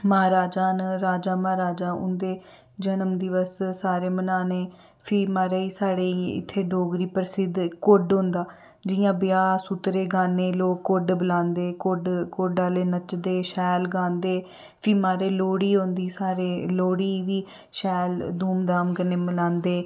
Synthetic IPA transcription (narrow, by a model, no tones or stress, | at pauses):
məɦaːɾaːd͡ʒaːnɾaːd͡ʒaːməaːɾaːd͡ʒaːʊ̰nd̪eː | d͡ʒənəmd̪ɪʋəssaːɾeːmənaːneː | pʰɪːmaːɾeːiːsaːɽeːɪ̰t̪ʰːeːɖoːɡɾiːpəɾsɪd̪koɖɦoʊ̃nd̪aː | d͡ʒɪjãːbɪjaːsʊt̪ɾeːɡaːneːloːkːoɖbəlãːnd̪eːkoɖkoɖaːleːnət͡ʃd̪eːʃɛːlɡãːnd̪eː | pʰiːmaːɾeːloːɽiːɦõnd̪iːsaːɾeːloːɽiːʋiː | ʃɛːld̪uːmd̪aːmkəneːmənãːnd̪eː